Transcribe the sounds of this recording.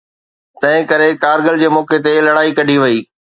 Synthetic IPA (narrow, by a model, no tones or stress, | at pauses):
t̪ɐ̃ɦɪ̃kɐɾekaːɾɡəld͡ʑeːmɔːket̪̬elɐɽaːikɐɖʱiʋɐiː